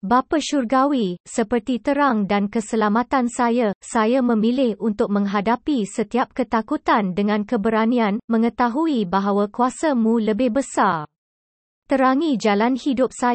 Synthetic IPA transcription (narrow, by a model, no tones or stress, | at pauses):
bapaʃurɡawisəpərt̪it̪əɾaŋdankəsəlamat̪ansajasajamə̃milɪhunt̪ʊk̚mə̃ŋɦadapisət̪iap̚kət̪akut̪andəŋãnkəbəɾanĩanmə̃ŋə̃t̪aɦuibaɦawakuasamũləbɪhbəsar | t̪əɾaŋid͡ʒalanhidʊp̚sa